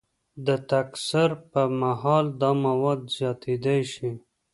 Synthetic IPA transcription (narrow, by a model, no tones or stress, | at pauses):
d̪ət̪aksaɾpəmaɦɑld̪ɑmawɑd̪z̥jɑt̪ed̪ajʃi